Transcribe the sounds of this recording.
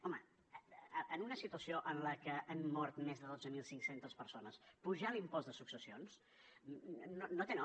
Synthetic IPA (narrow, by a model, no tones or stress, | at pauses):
ɔmə | ʔənunəsit̪uəsioʔənləkəʔənːɔɾt̪mezðəðod͡zəmilˠsiŋksent̪əspəɾsonəspuʒalimpɔzðəsuksəsions | nonot̪en